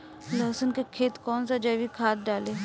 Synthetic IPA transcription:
lɐːsənkekʰeːt̪kɔːnsad͡ʒɐːʋikʰaːt̪̚ɖaːleː

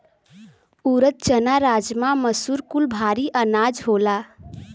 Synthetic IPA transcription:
uɾət̪̚t͡ʃənaɾad͡ʒmaməsuɾkulbʱaɾiʔənad͡ʒɦola

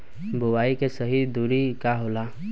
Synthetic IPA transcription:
bʊwaːikesəɦid̪uːɾikaɦola

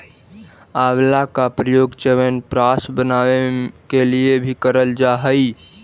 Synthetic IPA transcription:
aʋlakapɾəjoːɡt͡ʃɛʋənpɾasbənawekeliebʱikəɾəld͡ʒaɦəi

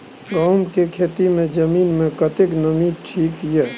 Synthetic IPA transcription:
ɡaːmkekʰeːt̪imẽd͡ʒəmiːnmẽkət̪ɪknəmiʈʰiːkjɛː

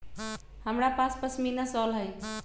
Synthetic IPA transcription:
həmɾapaspəsminəsɔlɦəj

